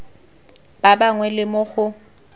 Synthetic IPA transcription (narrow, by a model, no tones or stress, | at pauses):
b̥abaŋwɛlɪmʊɣʊ